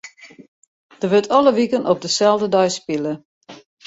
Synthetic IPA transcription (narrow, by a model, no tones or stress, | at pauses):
d̥əʋøtʰɔləʋikənʔɔp̚dəsɛlˠdədɔjspilˠə